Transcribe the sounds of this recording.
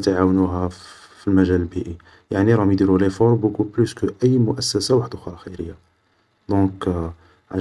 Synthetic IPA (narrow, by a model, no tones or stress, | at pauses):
t̪aʕawnuɦæ | filmæʒællbiʔi | jaʕniɾˤɑmjd̪iɾulefɔɾˤbʊkupluskəʔæjːmʊʔæsːæsawaħd̪xɑɾˤɑxæjɾəjːa | d̪ɔ̃k | ʕl